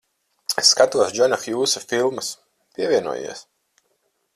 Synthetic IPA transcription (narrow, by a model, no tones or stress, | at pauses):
esːkat̪uɔsd͡ʒɔnaxjuːsafilˠmɐs | pʲiɛvʲiɛnṵɔjḭɛs